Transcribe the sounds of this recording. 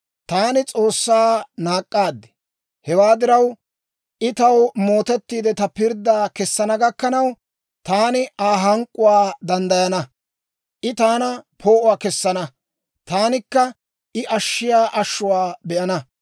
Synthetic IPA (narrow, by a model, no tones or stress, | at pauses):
t̪aːnɪt͡sʼo̞ːsːaːnaːkʼːaːd̪ːɛ̥ | hɛwaːd̪ɪɾɐw | ʔɪt̪ɐwmo̞ːt̪ɛt̪ːiːd̪ɛt̪ɐpɪɾd̪ːaːkɛsːɐnɐɡɐkːɐnɐw | t̪aːnɪʔaːɦɐŋkʼːʊwaːd̪ɐnd̪ɐjɐnɐ | ʔɪt̪aːnɐpʰo̞ːʔʊwaːkɛsːɐnɐ | t̪aːnɪkːɐ | ʔɪʔɐʃːɪjaːʔɐʃːʊwaːbɛʔɐnɐ